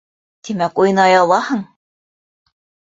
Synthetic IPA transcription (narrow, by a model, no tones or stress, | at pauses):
t̪imækujɤ̆nɑjɑlˠːɑhɤɴ